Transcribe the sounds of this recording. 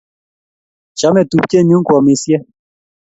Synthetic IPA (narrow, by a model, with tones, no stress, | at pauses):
t͡ʃa˨˦mɛ˨t̪u˦p̚cʲɛ˦˨ɲũ˦ŋ˦kwɔ˨me˨sjɛ˦